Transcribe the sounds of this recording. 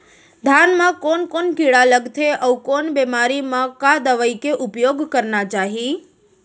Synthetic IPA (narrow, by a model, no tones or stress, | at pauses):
d̪ʱanmãkonkonkiɭaləɡt̪ʰeʔəʋkonbɛmaɾimãkad̪əʋəjkeʔupjoɡkəɾnat͡ʃaɦi